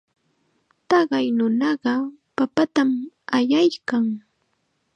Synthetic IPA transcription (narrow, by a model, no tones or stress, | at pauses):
t̪ɑɢɑjnʊnɑɢɑpapat̪am | ajajkaŋ